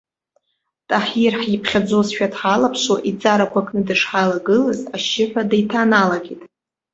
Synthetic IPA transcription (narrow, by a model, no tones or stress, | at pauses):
tʼaħirħjipʰχʲad͡zozʃᶣatħalapʰʃoʔit͡sʼaɾakʷʰakʰʼnɨdɨʂħalaɡɨlɨzaʃɪħᶣʷadajtʰanalaɡʲitʼ